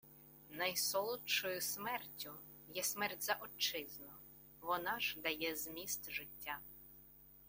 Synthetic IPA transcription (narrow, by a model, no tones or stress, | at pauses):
nɐjsɔlˠʊt͡ʃɔjʊsmɛrtʲːʊ | jɛsmɛrtʲzɐʔɔt͡ʃɪznɔ | ʋɔnɑʒd̪ɐjɛzmʲist̪ʒɪtʲːa